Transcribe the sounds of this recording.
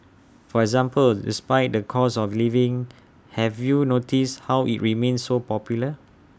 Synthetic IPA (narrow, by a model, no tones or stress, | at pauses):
fɔɛɡzãmpəldḭspaɪt̚dəkʰɔsɔflivɪ̃ŋ | hɛvjunotishawʔḭt̚ɹimẽnsːopɔpjulə